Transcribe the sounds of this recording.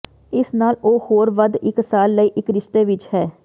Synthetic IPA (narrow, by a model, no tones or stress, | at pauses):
ɪsnaːloːhoːɾʋəd̪ɪksaːlːəiːʔɪkɾɪʃt̪eːʋɪt͡ʃhɛː